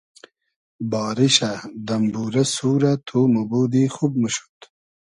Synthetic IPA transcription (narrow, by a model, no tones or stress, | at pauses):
bɑːɾiɕad̪ɐmbuːɾɐsuːɾat̪ʰuːmɐbuːd̪ixub̚məɕu̥t̪